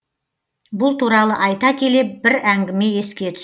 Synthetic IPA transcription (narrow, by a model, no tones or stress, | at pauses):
bʊlˠt̪ʰuɾɑlˠəʔɑjt̪ɑkʲʰe̞le̞p̚bɪɾæŋɡʲɪme̞je̞skʲe̞t̪ʰʏ̥